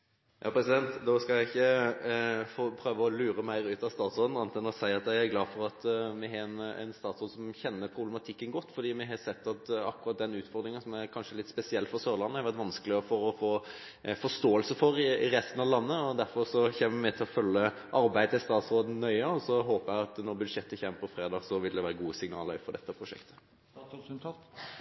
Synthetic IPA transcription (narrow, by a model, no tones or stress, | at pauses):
jɑ̰ːpʰɾɛsɪd̪ɛnt̪d̪oskɑæɪɪçːə | fopʰɾøːʋəɔlʉːɾəmæɪɾʉːt̪ɑʋst̪ɑːt̪sɾoːd̪n̩ɑnt̪ɛnɔsæɪɑt̪jæɪæɾɡlɑːfɔɾɑt̪mɪɦɑɛnɛ̰ɪnst̪ɑːt̪sɾoːd̪sɔmçɛnːəɾpʰɾʊblɛmɑt̪ʰɪkːənɡɔt̪ːfɔɾd̪iːmɪɦɑsɛt̪ːɑt̪ɑ̰kːʊɾɑt̪̚d̪ɛnʉːt̪fɔɾd̪ɾɪŋənsɔmæɾkʰɑnʂəɛlɪt̪ːspɛsɪɛlːfɔɾsøːɾlɑnːəhɑɾʋæɾt̪ʋɑnskəlɪɔfɔɾɔfoː | fɔʂt̪oːəlsəfɔɾɪɾɛst̪ən̩ɑʋlɑnːəɔd̪æɾfɔɾsɔçɛːməʋɪmɛt̪ʰɪlɔfœlːə | ʔɑɾbæɪd̪əɪst̪ɑːt̪sɾoːd̪n̩nœʏəɔsɔɦoːpəæɪɑt̪nɔɾbʉd̪ʂɛt̪ːəçɛməpɔfɾeːd̪ɑːɡsɔʋɪld̪ɛʋæːɾəɡuːəsɪŋnɑ̰ːlfɔɾd̪ɛt̪ːəpʰɾʊʂɛ̰kt̪ʰə̥